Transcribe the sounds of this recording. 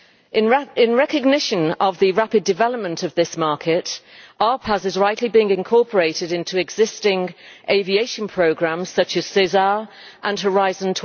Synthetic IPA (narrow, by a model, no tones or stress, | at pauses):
ɪ̃nɹɛkəɡ̚nɪʃə̃nəvðəɹapɪdɪvɛləp̚mə̃ntʰəvðɪsmɑˑkʰɪtɑːpʰəzɪzɹaɪʔlibiɪ̃ŋɪ̃nkʰɔˑpʰəɹeɪtɪɾɪ̃ntʰuɛɡzɪstɪ̃ŋʔeɪvieɪʃə̃npʰɹ̥əʊɡɹãmz̥sʌt͡ʃəz̥sɪzɑɹ | ʔə̃nəɹaɪzə̃ntʰ